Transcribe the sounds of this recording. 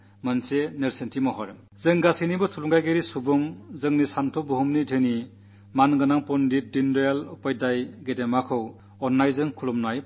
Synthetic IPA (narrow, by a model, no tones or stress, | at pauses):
mɯnseneɾsentʰimɔɦɔɾ | zɯŋɡasinibɯtʰuluŋɡajɡeɾisubuŋzɯŋnisantʰɔbuɦumnidʰeni | manɡɯnaŋpɔndit̚dindɔjalupajdajɡedemakʰɯw | ɔnːajzɯŋkʰulumnuaj